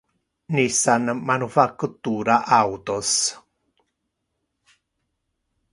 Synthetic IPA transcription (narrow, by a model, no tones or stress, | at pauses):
nisanmanufakt̪uɾaʔawt̪os